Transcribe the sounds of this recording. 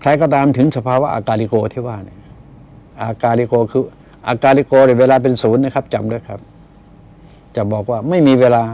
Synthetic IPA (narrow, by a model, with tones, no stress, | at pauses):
kʰɾa˧jkɔː˧˩t̪aː˧mt̪ʰɯ˨˦ŋsa˧pʰaː˧wa˦˥ʔa̰˧kaː˧li˧koː˧t̪ʰiː˧˥˩waː˥˩ni˧˩ɐ | ʔaː˧kaː˧li˧˥koː˧kʰɯː˧˩ | ʔaː˧kaː˧li˧˥koː˧n˧˥˩jweː˧laː˧p̬e˧nsuː˨˦nːa˧˥˨kʰa˦˥p̚t͡ɕa˨mdu˥˩˨jkʰa˦˥p̚ | t͡ɕa˨˩bɔː˨˩k̚waː˥˩ma˥˩jmiː˧weː˧laː˧